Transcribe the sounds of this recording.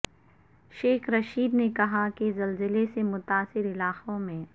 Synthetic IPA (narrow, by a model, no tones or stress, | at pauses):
ʃeːxɾɐʃiːd̪nekɐɦakezɐlzɪlesemʊt̪aːsɪɾɪlaːqõmẽː